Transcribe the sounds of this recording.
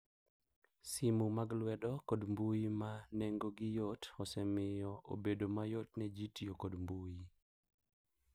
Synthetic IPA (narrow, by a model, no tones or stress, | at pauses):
simumaɡlwɛdɔkodmbujimaneŋɡoɡɪjotɔsɛmɪjɔʔo̰bedomajotnɛd͡ʒitijokodmbuji